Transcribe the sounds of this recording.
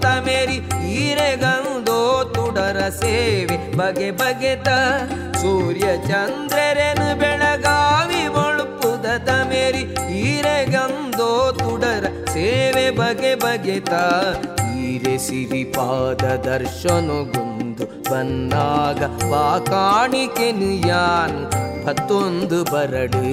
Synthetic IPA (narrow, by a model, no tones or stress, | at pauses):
t̪ɐmeɾiiɾeɡɐnd̪oːt̪uɽɐɾɐseːʋebɐɡebɐɡet̪ɐ | suːɾjɐt͡ʃɐnd̪ɾeɾenubɛɭɐɡaːʋiʋoɭupːud̪ɐt̪ɐmeɾiiɾeɡɐnd̪oːt̪uɽɐɾɐseːʋebɐɡebɐɡet̪aiːɾesiɾipaːd̪ɐd̪ɐɾʃɐnoɡund̪u | bɐnːaːɡɐʋaːkaːɳikenujaːnubɐt̪ːond̪ubɐɾɐɽu